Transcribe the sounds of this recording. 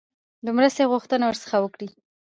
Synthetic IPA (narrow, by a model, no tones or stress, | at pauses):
d̪əmɾəst̪eɣuxt̪ənawəɾsə̥xawəkɽi